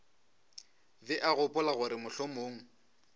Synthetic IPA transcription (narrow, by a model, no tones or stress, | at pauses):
bɛʔaɣʊpʼʊlaɣʊɾɪmʊɬomoːŋ̩